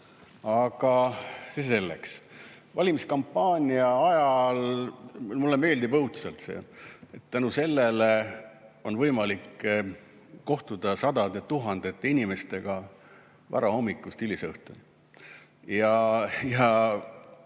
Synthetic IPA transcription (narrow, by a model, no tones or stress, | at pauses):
ɑɡ̥ɑsese̞lːḛks | vɑlʲimiskɑmpːɑːnʲiɑɑjɑl | mulːeme̞ːld̪ibɤhut̪selt̪sḛːet̪t̪ːænuse̞lːele | o̞nvɤjmɑlikː | o̞ht̪ud̪̥ɑsɑd̪̥ɑd̪et̪uɦɑnd̪̥et̪ːˑeinʲime̞st̪e̞ɡ̥ɑ | vɑ̰ɾɑho̞mːikːˑust̪ylisɤht̪uni | jɑjɑ